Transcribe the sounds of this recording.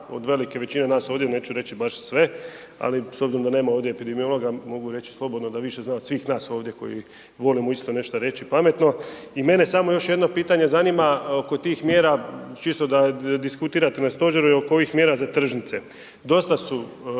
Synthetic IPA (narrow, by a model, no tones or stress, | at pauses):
o̰d̪ʋe̞like̞ʋe̞t͡ɕine̞naːso̞ːʋd̪jene̞ːt͡ʃuɾe̞t͡ʃibaʃsʋe̞ | a̰lisobziɾomd̪ane̞ːmaoʋd̪ʲjeepid̪emio̞lˠo̞ɡamo̞ɡuɾe̞t͡ɕi̥slˠo̞bo̞d̪nod̪aʋiʃeznaːod̪sʋiːxnaːso̞ːʋd̪je̞ko̞̰jḭ | ʋo̞limoist̪o̞ne̞ʃt̪aɾe̞t͡ɕipame̞t̪no̞ime̞ne̞samo̞jo̞ʃjed̪no̞piːt̪aɲe̞zanimaoko̞t̪iːxmje̞ːɾat͡ʃist̪od̪ad̪iskut̪iːɾat̪enast̪o̞ʒeɾuiokoixmjeɾazat̪r̩ʒnit̪se̞ | d̪o̞st̪asu